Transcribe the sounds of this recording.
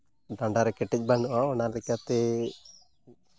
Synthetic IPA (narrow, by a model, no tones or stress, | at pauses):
d̪aɳɖaɾɛkɛʈic̚ˀbanuaɔnalɛkat̪ɛ